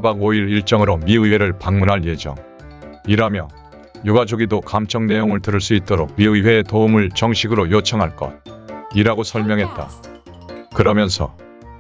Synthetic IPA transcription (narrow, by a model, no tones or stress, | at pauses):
abaɡoiɾiɭt͡ɕ͈ʌŋɯɾomiɯwe̞ɾɯɭpaŋmunɦaɭje̞d͡ʑʌ̰ŋ | iɾamjʌ | joɡad͡ʑoɡidokamt͡ɕʰʌŋne̞joŋɯɭtɯɾɯɭs͈uit̚t͈oɾok̚miɯwe̞ːtoumɯɭt͡ɕʌŋɕʰiɡɯɾojot͡ɕʰʌŋɦaɭk͈ʌ̰tiɾaɡosʰʌɭmjʌŋɦe̞t̚t͈a̰ | kɯɾʌmjʌnsʰʌ̰